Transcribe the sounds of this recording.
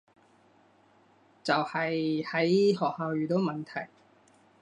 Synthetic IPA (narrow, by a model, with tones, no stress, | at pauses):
t͡sɐ˨whɐ˨jhɐ˨˥jɦɔː˨k̚haː˨˧wjyː˨t̪o˨˥wmɐ˨nt̪ʰɐ̰˨˩j